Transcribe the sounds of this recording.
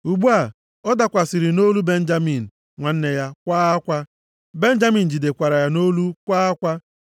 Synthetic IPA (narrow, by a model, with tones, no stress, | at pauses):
u˨ɡ͡bu˦a˨ | ɔ˦da˨kʷa˨si˨ɾi˨no˦lu˦be˦n̩˦d͡ʒa˦mi˨n̩˨ | ŋʷa˨n̩˦ne˨ja˦kʷaː˦a˦kʷa˦ | be˦n̩˦d͡ʒa˦mi˨n̩˨d͡ʒi˨de˨kʷa˨ɾa˨ja˦no˦lu˦kʷaː˦a˦kʷa˦